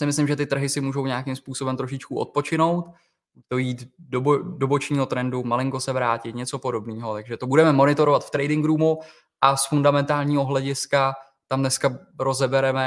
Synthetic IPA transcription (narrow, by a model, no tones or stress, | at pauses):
sɪmɪslɪmʒɛt̪ɪt̪r̩ɦɪsɪmuːʒo̞wɲeakɪmspuːso̞bɛmt̪ɾo̞ʃɪt͡ʃkuʔo̰t̪̚po̞t͡ʃɪno̞wt̪ | ut̪ojiːt̪dobodobo̞t͡ʃɲiːɦo̞t̪ɾɛndumalɪŋko̞sɛvɾaːcɪt̪ɲɛt͡so̞po̞do̞bniːɦo̞t̪aɡʒɛt̪o̞budɛmɛmo̞nɪt̪o̞ɾovat̪ft̪ɾɛjdɪŋɡɾuːmu | ʔasfundamɛnt̪aːlɲiːɦo̞ɦlɛɟɪska | t̪amnɛska | ɾo̞zɛbɛɾɛmɛ